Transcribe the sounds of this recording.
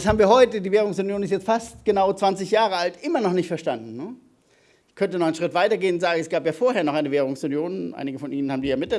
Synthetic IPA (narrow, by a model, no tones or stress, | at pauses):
shaːbm̩viːɐhɦɔʏtədiːveːʁ̞ʊŋsʊnjoːnɪstjɛt͡stfastɡ̥ənaʊt͡sv̥ant͡sɪçjaːʁəaltʔɪmɐnɔχnɪçtfɛɐʃtandn̩ːə | çkʰœntənɔχaɪnʃʁ̥ɪtv̥aɪtɐɡeːənʊntz̥aːɡŋ̩ɛsɡ̥aːpjaːfoːɐheːɐnɔχʔaɪnəveːʁ̞ʊŋsʊnjoːnʔa̰ɪnɪɡəfɔnʔiːnən̩haːbm̩diːjaːmɪt̚dɛ